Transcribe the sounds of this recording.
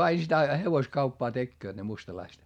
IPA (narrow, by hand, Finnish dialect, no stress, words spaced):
ɑi sitæ heʋoskɑupːɑː tekːøːt ne mustɑlɑist